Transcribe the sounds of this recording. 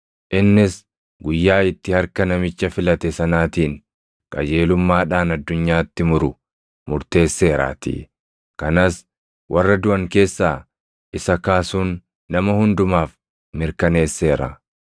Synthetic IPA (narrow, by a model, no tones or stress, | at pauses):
ʔɪnːɪs | ɡʊjːaːɪt̪ːɪhɐɾkɐnɐmɪt͡ʃːɐfɪlɐt̪ɛsɐnaːt̪iːŋ | kʼɐ̰d͡ʒe̞ːlʊmːaːᶑaːnɐd̪ːʊɲːaːt̪ːɪmʊɾʊ | mʊɾt̪e̞ːsːe̞ːɾa̰ːt̪ḭː | kɐnas | wʔɐrːɐd̪ʊʔɐŋke̞ːsːaː | ʔɪsɐkaːsuːnː | ɐmɐhʊnd̪ʊmaːf | mɪɾkɐne̞ːsːe̞ːɾɐ̰